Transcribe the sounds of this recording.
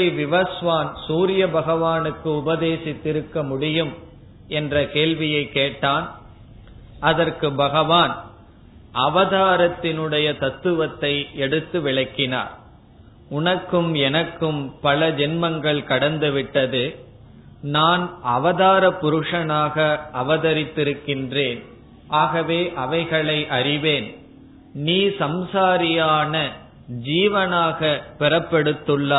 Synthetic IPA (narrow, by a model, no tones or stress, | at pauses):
ɪʋɪʋɐsʋaːnsuːɾɪjɐbɐɣɐʋaːnɯkːɯʊbɐðeːsɪt̪ːɪɾɯkːɐmʊɽɪjɯm | ɛndrɐkeːɭʋɪjɐɪkːeːʈːaːn | ɐðɐɾkɯbɐɣɐʋaːn | ʔɐʋɐðaːɾɐt̪ːɪnɯɽɐjɐt̪ɐt̪ːɯʋɐt̪ːɐɪɛɽɯt̪ːɯʋɪɭɐkːɪna̰ːɾ | ʊɳɐkːɯmɛnɐkːɯmpɐlɐd͡ʒɛnmɐŋɡɐɭkɐɽɐnd̪ɯʋɪʈːɐðɯ | naːnɐʋɐðaːɾɐpːʊɾɯʂɐnaːɣɐʔɐʋɐðɐɾɪt̪ːɪɾɯkːɪndreːn | ʔaːɣɐʋeːʔɐʋɐɪɣɐɭɐɪʔɐɾɪʋeːn | niːsɐmsaːɾɪjaːnɐ | d͡ʒiːʋɐnaːɣɐpɛɾɐpːɛɽɯt̪ːɯɭːaː